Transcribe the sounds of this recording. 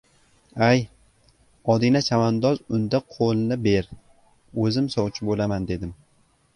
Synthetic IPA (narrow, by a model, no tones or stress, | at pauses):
aj | ɒd̪ɪnat͡ʃʰamand̪ɒzʊnd̪aqʰolˠnɪbe̞ɾ | ɵzɪmsɒwt͡ʃʰɪbolamand̪e̞d̪ɪm